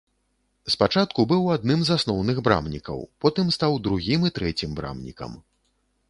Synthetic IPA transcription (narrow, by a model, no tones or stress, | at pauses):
spat͡ʂat̪̚kubɨwad̪̚nɨmzasnɔwnɨɣbɾa̰mnʲikɐ̰wpɔt̪ɨmst̪awd̪ɾuɣʲimit̪ɾɛt͡sʲimbɾa̰mnʲḭkɐ̰m